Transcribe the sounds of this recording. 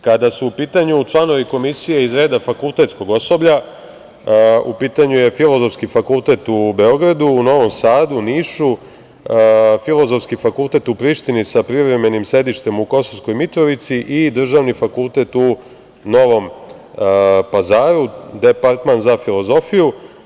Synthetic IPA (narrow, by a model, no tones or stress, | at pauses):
kad̪asuupiːt̪aɲut͡ʃlˠano̞ʋiko̞misije̞izɾe̞ːd̪afakulˠt̪e̞t̪sko̞ɡo̞so̞bʎa | upiːt̪aɲuje̞filo̞zo̞fskifakulˠt̪e̞t̪ube̞o̞ɡɾad̪uːno̞ʋo̞msaːd̪uniːʃu | filˠo̞zofskifakulˠt̪e̞t̪upɾiːʃt̪inisapɾiʋɾe̞me̞nimsɾe̞d̪iʃt̪e̞muko̞soʋsko̞jmit̪ɾo̞ʋit̪siʔid̪r̩ʒaʋnifakulˠt̪e̞t̪u | no̞ʋo̞m | pazaːɾud̪e̞paɾt̪manzafilo̞zo̞fiju